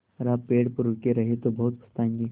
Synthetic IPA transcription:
ɾaːpeːɽpəɾʊkeɾɐɦet̪obɐɦʊt̪pʰɐ̥st̪aːẽːŋɡiː

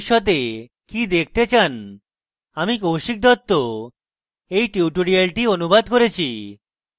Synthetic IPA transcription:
ʃɔt̪̬e | kid̪ek̚ʰt̪et͡ɕan | amikowʃik̚d̪ɔt̪ːo | ejʈiuʈoɽialʈionubad̪koɾet͡ɕʰi

